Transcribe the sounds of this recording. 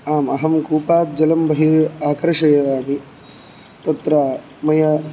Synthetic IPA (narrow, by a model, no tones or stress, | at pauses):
aːmɐɦɐmkuːpaːt̪̚d͡ʒɐlɐmbɐɦiaːkɾɐʂɐjɐɾaːmi | t̪ɐt̪ɾa | mɐjɐ